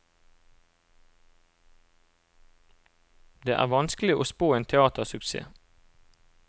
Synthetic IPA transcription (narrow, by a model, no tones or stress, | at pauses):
d̪eːʔæ̰ːʁʋɑnsklɪʔoːspoːeːnt̪ʰɛɑːt̪əʁsʉksḛː